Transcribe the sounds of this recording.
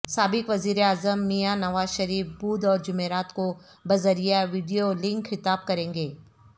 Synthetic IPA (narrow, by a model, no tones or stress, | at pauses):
saːbɪkʋɐziːɾeaːzəmːijanɐʋaːzʃɐɾiːfbuːd̪ɔːɾd͡ʒʊmeːɾaːt̪ko | bɐzəɾijaʋiːɖijolɪ̃ŋkxɪt̪aːb̚kɐɾẽːŋɡeː